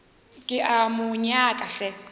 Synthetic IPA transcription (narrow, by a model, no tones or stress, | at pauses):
kʼɪʔamʊɲakʼaɬɛ